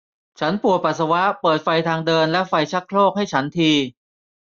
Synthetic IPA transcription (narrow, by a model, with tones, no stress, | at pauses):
t͡ɕʰa˦˥npu˨˩əpa˨˩t̪̚sa˧wa˦˥ʔpɤː˨˩t̪̚fa˧jt̪ʰaː˧ŋdɤː˧nlɛ˦˥fa˧jt͡ɕʰa˦˥kʰloː˥˩k̚ha˥˩jt͡ɕʰa˦˥nt̪ʰiː˧